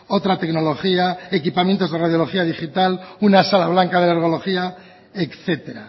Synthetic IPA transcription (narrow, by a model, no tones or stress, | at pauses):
o̞t̪ɾat̪ekno̞lo̞xiae̞kipamjent̪o̞zð̞eraðjo̞lo̞xiaðixit̪alunasalaβ̞laŋkaðeleɾɣo̞lo̞xia | ekθe̞t̪e̞ɾa̰